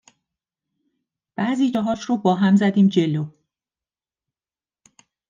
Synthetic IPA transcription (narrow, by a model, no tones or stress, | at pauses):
b̥æːziːd͡ʒɒɦɒːʃɾobɒːɦæmzæd̪iːmd͡ʒe̞lo